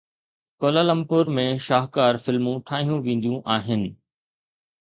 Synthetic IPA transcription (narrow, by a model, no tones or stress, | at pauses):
koːlalɐ̃mpʊɾmẽʃaːɦkaːɾfɪlmũʈʰaːɦijũʋẽːn̆d̪ijũʔaːɦɪnɪ̆